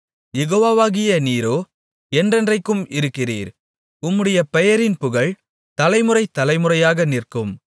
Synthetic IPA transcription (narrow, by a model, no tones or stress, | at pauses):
jɛɣoːʋaːʋaːɣɪjɐniːɾoː | ɛndrɛndrɐɪkːɯmɪɾɯkːɪrḭːɾ | ʊmːɯɽɐjɐpɛjɐɾɪnpʊɣɐɭ | t̪ɐlɐɪmɯrɐɪt̪ːɐlɐɪmɯrɐjaːɣɐnɪrkɯm